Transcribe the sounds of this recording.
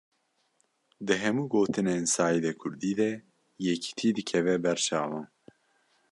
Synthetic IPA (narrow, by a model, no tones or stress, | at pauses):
d̪ɨɦɛmuːɡoːt̪ɨneːnsaːjid̪ɛkʰʊɾd̪iːd̪ɛ | jɛkʰi̥t̪ʰiːd̪ɨkʰɛvɛbɛɾt͡ʃɑ̰ːvɑːn